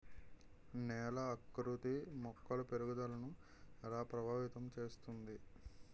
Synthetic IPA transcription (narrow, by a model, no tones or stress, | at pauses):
nɛːlɐːkːɾut̪imɔkːɐlɐpeɾuɡud̪ɐlɐnu | ɛlaːpɾɐbʱaːʋit̪ɐmt͡ʃeːst̪und̪i